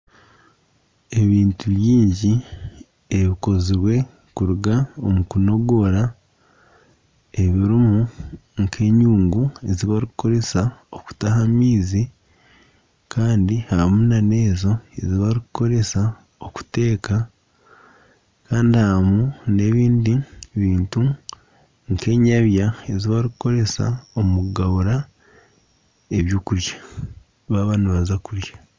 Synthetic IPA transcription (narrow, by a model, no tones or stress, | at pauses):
e̞βiːntuβjiːɲɟi | e̞βiko̞ziɾwe̞ | kuɾuɡaomukuno̞ɡo̞ɾa | e̞βiɾimuŋkʰe̞ɲuːŋɡue̞ziβaɾikuko̞ɾe̞saoku̥taɦamiːzi | kʰaːndihamunane̞ːzo̞e̞̰ziβaɾikko̞ɾe̞sa | o̞ku̥te̞ːka | kaːndihamune̞βiːndiβiːntu | ŋke̞ɲaβjaeziβaɾikko̞ɾe̞sa̰omuɡaβuɾa | eβjuːkuɾjḁ | βaβaːnuβazakuɾjḁ